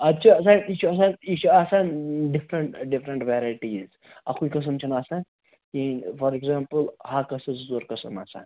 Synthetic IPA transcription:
ɐt͡ʃʰiɐsaːnit͡ʃʰuɐs̬aːnit͡ʃʰuaːsaːnɖifɾɐɳʈɖifɾɐɳʈʋeːɾaːjʈiz | ɐ̰kʰuikɐs̬ɐmt͡ʃʰɐnaːsaːn | kifʰɐɾeɡzaːmpəlhakɐsɐt͡szoːɾkɐsɐma̰ːsa̰ːn

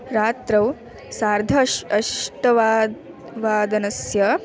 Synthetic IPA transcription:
ɾaːt̪ɾɐw | saːɾd̪ʱɐʃɐʃʃʈɐʋa | ʋaːd̪ɐnɐsjɐ

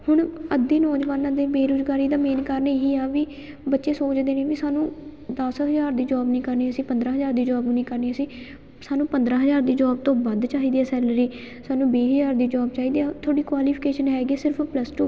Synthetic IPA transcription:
hʊɳəd̪ĩːnɔːd͡ʒʋaːnãːd̪eːbeːɾʊzɡaːɾiːd̪aːmeːnkəɾneɦiːaːʋiː | bətːʃeːsoːt͡ʃd̪eːnẽːʋisaːnũːd̪əsɦəzaːɾd̪iːd͡ʒɔːbnĩːkəɾniːəsĩːpənd̪ɾãːɦəzaːɾd̪iːd͡ʒɔːbnĩːkəɾniːəsĩː | saːnũːpənd̪ɾãːɦəzaːɾd̪iːd͡ʒɔːb̚t̪õːbəd̪t͡ʃaːɦiːd̪iːɛaːsɛːləɾiː | saːnũːbeːɦəzaːɾd̪iːd͡ʒɔːbt͡ʃaːɦiːd̪iːɛːt̪ʰoːɽiːkwaːliːpʰɪkeːʃənɦɛːɡeːsɪɾpʰpləsʈuː

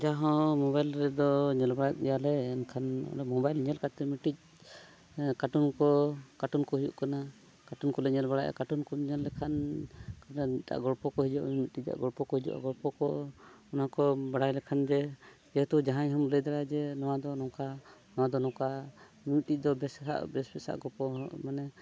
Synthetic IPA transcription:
d͡ʒaɦɔ̃mɔbajlɾɛd̪ɔɲɛlbaɽat̪̚ˀɛjalɛɛnkʰanɔ̰ɛmɔbajlɲɛlkat̪ɛmiʈic̚ | kaʈunkɔkaʈunkɔɦujṵʔkana | kaʈunkɔlɛɲɛlbaɽaʔa̰kaʈunkɔɲɛlːɛkʰankanat̪a̰ʔɡɔɽpɔkɔɦid͡ʒɔʔmiʈic̚ˀa̰ʔɡɔɽpɔkɔhid͡ʒṵʔa̰ɡɔɾpɔkɔ | unakɔbaɽajlɛkʰand͡ʒɛ | d͡ʒɛt̪ud͡ʒaɦãɲɦɔmləjd̪aɽad͡ʒɛnɔwad̪ɔnɔ̃kanɔwad̪ɔnɔ̃ka | miiʈic̚d̪ɔbɛsɛɦa̰ʔbɛsbɛsa̰ʔɡɔpɔmanɛ

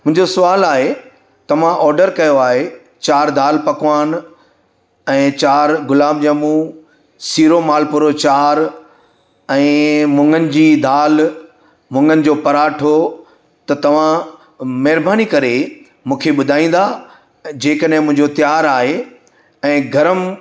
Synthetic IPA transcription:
mʊ̃ɦɪ̃ɲd͡ʑosʊʋaːlaːɦe | t̪ɐʋ̤ãʔɔːɾɖəɾkɐjoaːɦe | t͡ɕaːɾd̪ʱaːlpɐkʋaːn | ɛ̃ːt͡ɕaːɾɡʊlaːmd͡ʑamũ | siːɾomaːlpʊɾot͡ɕaːɾ | ɛ̃ːmʊ̃ŋɡənɪ̆d͡ʑiːd̪ʱaːl | mʊ̃ŋɡənɪ̆d͡ʑoːpɐɾaːʈʰo | t̪ɐt̪ɐʋ̤ã | mɐɦɪɾbaːnikɐɾe | mũːkʰeɓʊd̪ʱaːĩːn̆d̪a | d͡ʑeːkəɗɦɪ̃mʊ̃ɦɪ̃ɲd͡ʑot̪jaːɾaːɦe | ɛ̃ːɡʱɐɾəm

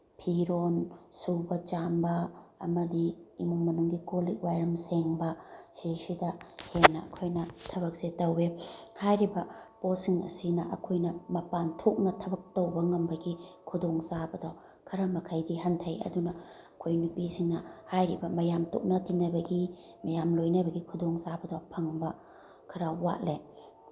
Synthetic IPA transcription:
pʰiɾonsubɐt͡ʃambɐ̰ːmɐdiːmuŋmɐnuŋɡikolik̚wajɾɐmseŋbɐsesidɐhenɐɐkʰojnɐtʰɐβɐk̚setːɐwehajɾibɐposiŋɐ̰sinɐʔɐkʰojnɐmɐpantʰok̚nɐtʰɐbɐk̚tɐwbɐŋɐmbɐɡikʰudoŋsabɐdɔ | kʰɐɾamɐkʰajdiɦɐntʰɐjɐ̰dunɐ | ɐkʰojnupisiŋnɐhajɾibɐmɐjamtʰo̰k̚nɐtinːɐbɐɡi | mɐjamlojnɐbɐɡikʰudoŋsabɐdɔpʰɐŋbɐ | kʰɐɾaːa̰t̚le

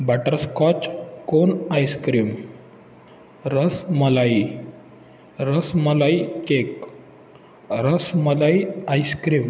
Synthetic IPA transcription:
baʈəɾskɔt͡ɕkonajskɾim | ɾəsməlai | ɾəsməlaikek | ɾəsməlaiajskɾim

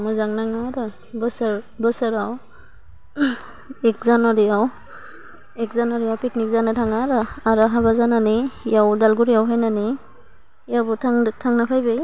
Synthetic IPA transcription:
muzaŋnaŋaɾɯ | bɯsaɾ | bɯsaɾaw | ek̚zanɔɾijaw | ek̚zanɔɾijawpik̚nik̚zanatʰaŋaɾɯaɾaɦaβazananijawdalɡuɾijawɦajnani | jawbɔtʰaŋtʰaŋnapʰajbɯj

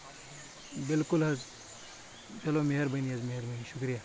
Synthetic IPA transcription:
bɪlkʊlɦɐz | t͡ʃɐlomeɦɐɾbɐniɐzmeɦɐɾbɐniʃʊkɾija

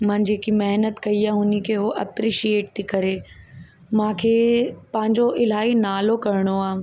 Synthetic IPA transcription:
mãːd͡ʑeːkimɛɦnət̪kɐiaːɦʊnikʰeɦoʔɐ̰pɾiʃieːʈ̚t̪ʰiːkɐɾeː | mãːkʰeːpɐ̃ɦɪ̃ɲd͡ʑoʔɪl̤aːinaːlokɐɾɪɽ̃oaː

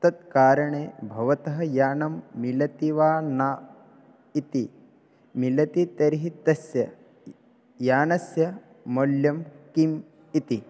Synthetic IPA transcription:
t̪ɐt̪̚kaːɾɐɳeːbʱɐʋɐt̪ɐɦɐ̆jaːnɐmːilɐt̪iʋaːnaː | it̪i | milɐt̪it̪ɐɾiɦit̪ɐsjɐ | jaːnɐsjɐ | moljɐmkim | it̪i

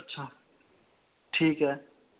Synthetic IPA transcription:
tːʃʰa | ʈʰiːkɦɛː

